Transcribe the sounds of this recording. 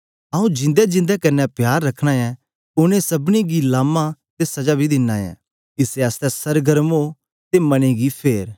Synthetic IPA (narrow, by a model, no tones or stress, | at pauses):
ɐũd͡ʒɪ̃nd̪ɛd͡ʒɪ̃nd̪ɛkɐnːɛpjaːɾːɐkʰɽ̃ãːjɛ̃ | ʊnẽsɐbniɡilaːmãt̪esɐd͡ʒabʱid̪ɪnːãːjɛ̰̃ː | kiseɐst̪ɛsɐɾɡɐɾmo | t̪emɐñiɡipʰeːɾ